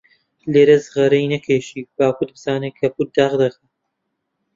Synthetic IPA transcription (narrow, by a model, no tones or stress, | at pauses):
leːɾɐzɨʁɐɾɐjnɐkʰeːʃiːbaːkʊd̪̚bɨzaːneːkʰɐput̪̚d̪aːʁd̪ɐkɐ